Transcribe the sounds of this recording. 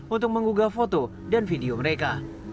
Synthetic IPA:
unt̪ʊk̚məŋuɡafot̪o | danfideoməɾeka

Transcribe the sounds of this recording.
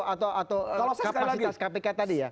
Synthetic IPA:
at̪awʔat̪awkaaiaskapekat̪adija

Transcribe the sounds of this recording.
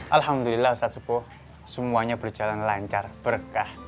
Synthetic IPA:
ʔalhamd̪ulilːasat̪səpɔ | səmuaɲab̥ər̥d͡ʒ̥a̤lanlaɲt͡ʃarb̥ərkah

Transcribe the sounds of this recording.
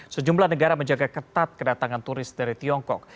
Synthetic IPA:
səd͡ʒumblahnəɡaɾaməɲd͡ʒaɡakət̪at̪̚kədat̪aŋant̪uɾɪs̚daɾit̪iɔŋkɔk̚

